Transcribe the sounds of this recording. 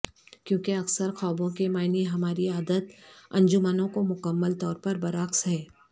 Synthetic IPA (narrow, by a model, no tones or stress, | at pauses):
kjõːkeɐksəɾxɔːbõkemaːɪniɦɐmaːɾiaːd̪ət̪ɐ̰̃ɲd͡ʒʊmaːnõkomʊkəmːəlt̪ɔːɾpɐɾbɐɾaːxsɦɛː